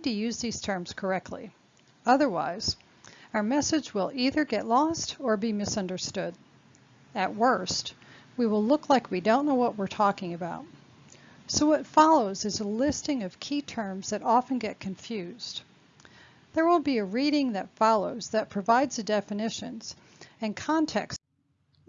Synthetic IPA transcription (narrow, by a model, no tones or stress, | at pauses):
tʰɨjʉzðiz̥tʰɜ̃˞mz̥kʰə˞ɛk̚tʰˡlḭ | ʌðə˞wa̰ɪz̥ | aʊə˞mɛsɨd͡ʒwɪlˠiðə˞ɡɛʔˡlɔstə˞bimɨsʌ̃ndə˞stʊɾ | ɨt̚wɜ˞st | wiwəlˠlʊkʰlaɪkwidõʊ̃nːoʊwʌʔ̚wɨɹtʰɔkɪ̃ŋɨbaʊt̚ | soʊwʌtfɑlˠoʊzɨzəlɪstɪ̃ŋʌv̥kʰitʰɜ̃˞mzðɨɾɑfɨ̃n̩ɡɛt̚kʰɨ̃ɱfjʉz̥d | ðə˞wɪlˠbiɨɹiɾɪ̃ŋðɨtfɑlˠoʊzðɨt̚pʰɹ̥ɨvaɪdz̥ɨdɛfɨnɪʃɨ̰̃nz̥ | ɨ̃nkʰɑ̃ntʰɛ̰ks